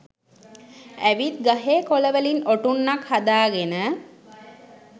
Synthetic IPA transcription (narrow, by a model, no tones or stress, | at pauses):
æʋit̪̚ɡaɦeːkoləʋəlinoʈunːakhad̪aːɡenə